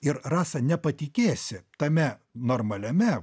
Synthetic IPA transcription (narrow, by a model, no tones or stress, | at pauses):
ɪɾrɑːsɐnʲɛpɐt̪ʲɪkʲeːsʲɪt̪ɐmʲɛnoːrmɐlʲɛmʲɛ